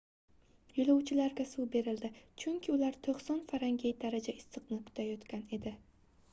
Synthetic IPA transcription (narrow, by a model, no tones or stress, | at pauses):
jʊlˠawt͡ʃʰɪlaɾɡʲasube̞ɾɪld̪ɪt͡ʃʰʊŋkʲʰɪʊlaɾt̪ʰoχsɒnfaɾaŋɡʲejd̪aɾad͡ʒaɪsɨqnɪkʰʊ̥t̪ʰajɒt̪kʲʰane̞d̪ɪ